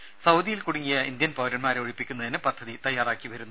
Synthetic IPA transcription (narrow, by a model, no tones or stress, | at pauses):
sɐwd̪ijilkuɽuŋːijɐind̪jɐnpɐwɾɐnmaːɾeoɻipːikʲːunːɐðinɨpɐd̪ʱːɐðit̪ɐjːaːraːkːiʋɐɾunː